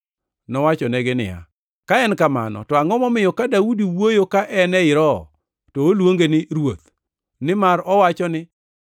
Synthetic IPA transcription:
nɔwat͡ʃɔnɛɡɪnɪ̰ja̰ | kaɛnkama̰nɔ̰tɔaŋɔmɔmɪjɔkadaudiwojokaʔɛnɛɪɾɔ | tɔːlwoŋɡenɪɾwot̪ | nɪmaɾɔwat͡ʃɔnɪ

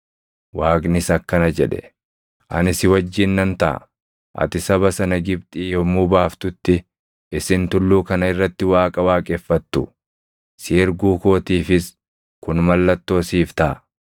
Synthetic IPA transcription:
waːkʼnɪsɐkːɐnɐd͡ʒɛᶑɛ̥̰ | ʔɐ̰nɪsɪwɐd͡ʒːɪnːɐnt̪ɐʔɐ̰ | ʔɐ̰t̪ɪsɐbɐsɐnɐɡɪbt̪ʼiːjɔmʊbaːft̪ʊt̪ːɪ | ɪsɪnt̪ʊlːuːkɐnɐɪrːɐt̪ːɪwaːkʼɐwaːkʼɛfːɐt̪ːʊ | sɪɪɾɡuːko̞ːt̪iːfɪs | kʊnmɐlːɐt̪ːo̞ːsiːft̪ɐʔɐ

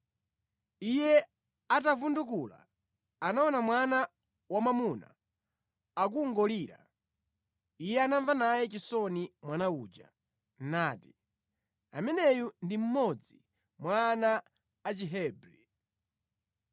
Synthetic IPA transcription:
ijɛ | atavundukula̰ː | naɔnamwana | wamamuna̰ | ak̬uːŋɡɔliːɾa̰ | ijɛanaɱvanajɛt͡ʃisɔnimwanauːd͡ʒa̰ | naːti̥ | amɛnɛjundim̩mɔd͡zi | mwanaː | t͡ʃiɦɛbɾi

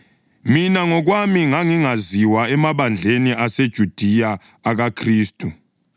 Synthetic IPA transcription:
minaŋɔɣwamiŋaŋiŋaziwaɛmaβand͡ɮʱeniʔased̥ʒ̥ʱud̥ʱijaː | ɣakʰriːstʼu

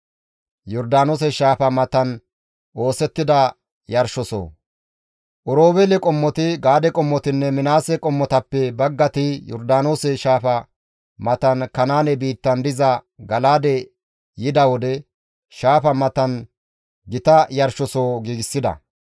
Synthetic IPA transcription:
jɔɾd̪aːnoːs̬ɛʃaːfɐmɐt̪ɐn | ʔo̞ːsɛt̪ːɪd̪ɐ | jɐɾʃɔso̰ː | ʔɔɾoːbɛlɛkʼɔmːɔt̪ɪɡaːd̪ɛkʼɔmːɔt̪ɪnːɛmɪnaːsɛkʼɔmːɔt̪ɐpːɛbɐɡːɐt̪ɪjɔ̰ɾd̪aːnoːsɛʃaːfɐ | mɐt̪ɐnkɐnaːnɛbiːt̪ːɐnd̪ɪzɐɡɐlaːd̪ɛ | jɪd̪ɐwɔd̪ɛ | ʃaːfɐmɐt̪ɐn | ɡɪt̪ɐjɐɾʃɔsoːɡiːɡɪsːɪd̪ɐ̰

